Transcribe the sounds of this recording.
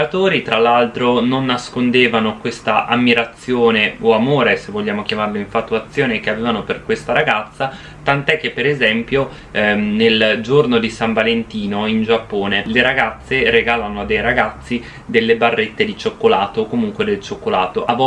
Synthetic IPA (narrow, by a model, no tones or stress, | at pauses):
at̪oːɾit̪ɾalːalt̪ɾononːaskond̪eːvanokwest̪aʔamːiɾat̪sːjoːneoamoːɾesevːoʎːaːmokjamarloiɱfat̪ːuat̪sːjoːnek̟eaveːvanoperkwest̪aɾaɡat̪sːa | t̪ant̪oɛk̟ːepːeɾezɛmpjo | neld͡ʒornod̪isaɱvalent̪iːnoind͡ʒapːoːneleɾaɡat̪sːeɾeɡaːlanoad̪ejɾaɡat̪sːi | d̪elːebarːet̪ːed̪it͡ʃokːolaːt̪oːkːomuŋkwed̪elt͡ʃokːolaːt̪oʔavɔ